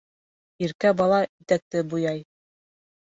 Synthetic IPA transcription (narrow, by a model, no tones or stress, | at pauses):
iɾkæbɑlˠɑit̪æk̚t̪ɘbujɑj